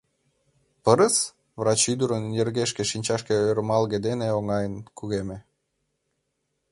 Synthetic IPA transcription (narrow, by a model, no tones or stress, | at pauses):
pəɾəs | vrɑt͡ɕyd̪uɾənːerɣeʃkeʃinʲt͡ɕɑʃkeøɾmɑlɣed̪eneoŋɑjənkuɣeme